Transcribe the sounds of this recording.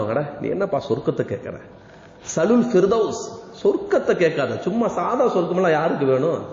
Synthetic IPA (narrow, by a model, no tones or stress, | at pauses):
ã̰ŋɡɐɽɛnḭːɛ̰nːɐpaːsɔɾkːɐt̪ːɐkḛːkːɐɾḛ̃ː | sɐlʊlfɪɾd̪ɐʊssɔɾkːɐt̪ːɐkeːʈkːaːðɐt͡ʃʊmːasaːðaːsɔɾkːɯmɛlːãːjaːɾɯk̬ːɯʋeːɳʊ̃